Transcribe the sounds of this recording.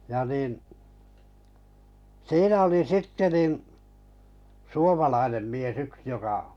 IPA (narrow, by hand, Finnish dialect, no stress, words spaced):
jɑ niˑn siːnæ oli sitːe nin suomɑlɑinem mies yks jokɑ